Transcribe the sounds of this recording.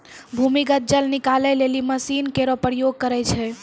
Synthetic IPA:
bʱumiɡət̪̚d͡ʒəlnikalɛleliməsinkeɾɔpɾəjoɡ̚kəɾɛt͡ʃʰɛ

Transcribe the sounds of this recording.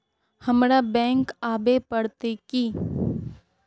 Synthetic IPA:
hɐmɾabɛ̃ːŋkaːbepɐɽt̪ekiː

